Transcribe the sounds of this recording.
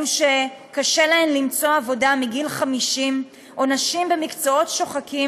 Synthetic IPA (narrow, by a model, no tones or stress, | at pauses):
uʃekaʃe̞lae̞mlimt͡so̞avo̞damiɡilχamiʃim | ʔo̞naʃimbe̞mikt͡so̞o̞tʃo̞χakʰi